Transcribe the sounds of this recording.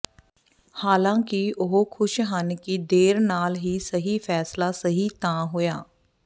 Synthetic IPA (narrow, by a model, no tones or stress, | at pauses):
haːlãːkiʊɦokʰʊʃɦənkid̪eːɾnaːlɦiːsəɦiːpʰɛːslaːsəɦiːt̪ãːɦojaː